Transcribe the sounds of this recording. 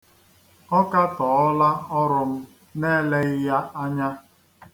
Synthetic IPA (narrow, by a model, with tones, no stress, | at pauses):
ɔ˦ka˦tɔ˨ɔ˦la˦ɔ˦ɾʊ˨m̩˦ | ne˦le˦ɣɪ˦ja˦a˦ɲa˦